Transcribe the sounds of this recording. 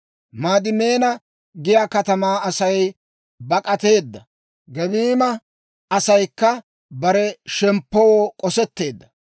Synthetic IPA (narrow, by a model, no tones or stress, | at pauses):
maːd̪ɪmeːnɐ | ɡɪjaːkɐt̪ɐmaːɐsɐj | bɐkʼɐt̪e̞ːd̪ːɐ | ɡɛbiːmɐ | ɐsɐjkːɐ | bɐɾɛʃɛmpːɔwoːkʼɔsɛt̪ːe̞ːd̪ːɐ